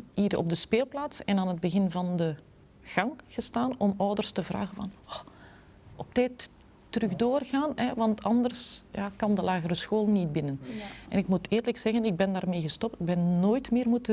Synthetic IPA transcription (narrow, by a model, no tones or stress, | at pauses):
iːɾɔ̰b̚dəspeːlˠplaːtsɛnaːnɦəd̚bəɣɪnvɑndə | ɣ̥ɑŋɣ̥əstaːnɔmœwdərstəvra̰ːɣənvɑnɔ | ɔp̚tɛːtː | ərɵɣdoːrɣaːnɛʋɑntɑndərsjaːkɑndəlaːɣəɾəsxoːlˠnit̚bɪnənʔɛnɪkmutɪːrləksɛɣənɪɡ̚bɛndaːrmeːɣəstɔp̚tɪɡ̚bɛnnoːjtmɪːrmutə